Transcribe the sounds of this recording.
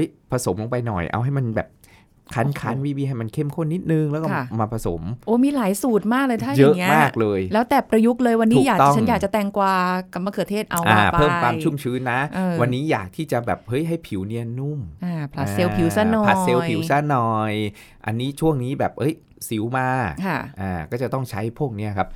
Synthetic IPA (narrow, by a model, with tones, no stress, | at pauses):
hɤ˦˥jpʰa˧so˩˦mlo˧ŋpa˧jnɔ̰˨˩jʔa̰˧wɦa˥˩jma˧nbɛ̰ː˨˩p̚ | kʰa˦˥nkʰaː˦˥nwiː˦˥wiː˧ɦa˥˩jma˧nkʰe˥˩mkʰo˧˥˨nːi˦˥t̪̚nɯ˧ŋlɛː˦˥kɔ˥˩˧maː˧pʰa˧so̰˨˩˦mʔoː˧˦miː˧laː˩˦jsuː˨˩t̪̚maː˥˩k̚lɤː˧t̪ʰaː˥˩jaɤ˦˥ʔŋːi˦˥maː˥˩k̚lɤː˧jlɛː˦˥wt̪ɛː˨˩pɾa˧ju˦˥k̚lɤː˧jwa˧nːiː˦˨˩jaː˨˩kt̪ɔ˥ŋʰt͡ɕa˦˥jaː˨˩k̚t͡ɕa˨˩t̪ɛ˧ŋkwaː˧˩ka˧˩ma˧kʰɯ˨˩ət̪ʰeː˥˩t̪̚ʔa˧wʔa̰ː˧˩pʰɤː˥˩mkwaː˧mt͡ɕʰu˥˩mt͡ɕʰɯː˦˥nːa˦˥˧wa˧nːiː˦˥ja̰ː˨˩k̚t̪ʰiː˥˩t͡ɕa˨˩bɛː˨˩p̚hɤ˦˥jɦa˥˩jpʰi˩˦wni˧ənu˥˩mʔaː˧˩pʰa˦˥seː˧wpʰi˨˩˦wsa˧˥nɔː˧a˦˩˥se˧wpʰi˨˩˦wsa˧˩nɔː˨˧˩j | ʔa̰˧nːiː˦˥t͡ɕʰu˥˩əŋniː˦˥bɛː˨˩p̚ʔhɤ˦˥j | si˨˩˦wmaː˧kʰa˥˩ʔaː˨˩kɔː˥˩t͡ɕa˨˩t̪ɔ˥˩ŋt͡ɕʰa˦˥jpʰu˥˩ək̚ni˦˥ɐkʰa˦˥p̚